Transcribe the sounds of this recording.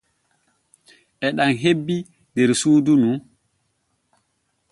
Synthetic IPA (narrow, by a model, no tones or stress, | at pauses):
ʔɛɗaŋɦebːi | dɛɾsuːdunu